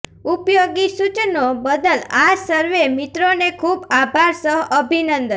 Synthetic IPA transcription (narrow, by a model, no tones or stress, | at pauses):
upjoɡisut͡ʃnobəd̪əlasəɾʋemit̪ɾonekʰubabʱaɾsəɦʔəbʱinənd̪ə